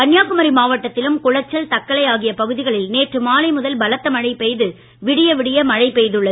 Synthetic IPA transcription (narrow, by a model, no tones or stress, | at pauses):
pɐnjaːkɯmɐɾimaːʋɐʈːɐt̪ːɪlɯmkʊɻɐt͡ʃːɐlt̪ɐkːɐlɐjaːɣɪjɐpɐɣɯðɪɣɐɭɪlneːʈrɯmaːlɐɪmʊðɐlbɐlɐt̪ːɐmɐɻɐɪpɛjðɯ | ʋɪɽɪjɐʋɪɽɪjɐmɐɻɐɪpɛjðɯɭːɐ